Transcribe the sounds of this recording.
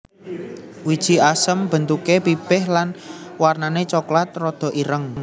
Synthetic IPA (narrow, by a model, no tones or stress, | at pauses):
wid̥ʒ̥i̤asəmb̥ə̤nt̪ukepib̥ɪhlanwarnanet͡ʃɔklat̪̚rɔd̪̥ɔ̤ʔiɾəŋ